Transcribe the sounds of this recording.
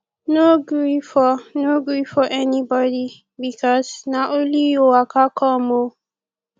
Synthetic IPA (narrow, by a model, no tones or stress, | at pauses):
noɡɹifɔnoɡɹifɔʔɛnibɔdi | bikʰɔsnaʔolijoakʰakʰɔmo